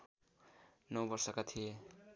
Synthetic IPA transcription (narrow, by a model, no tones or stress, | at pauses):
nʌwbʌrsʌkat̪ʰije